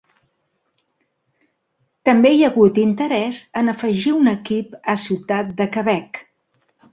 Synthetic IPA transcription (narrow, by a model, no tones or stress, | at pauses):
t̪əmbeiəɣut̪int̪əɾɛzənəfəʒiunəkipəsiwt̪at̪̚d̪əkəβɛk